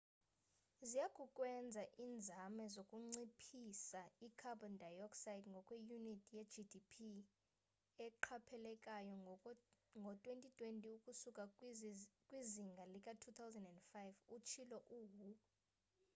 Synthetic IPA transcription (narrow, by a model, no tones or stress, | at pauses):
zijakʼukʼwɛnd͡zʱaʔiːnd͡zʱamɛzokʼuŋ͡ǀipʰisaikʰabɔndʱajɔksajtʰʼŋɡʱɔkʼwejunitʼjɛd͡ʒidipʰi | ɛǃʰapʰɛlɛkʼajɔ | ŋɡʱɔtʼwentʼitʼwentʼiukʼusukʼa | kʼwiziŋɡʱalikʼatʰut̪ʰawzɛndɛndfajvut͡ʃʰilɔʔuːɦu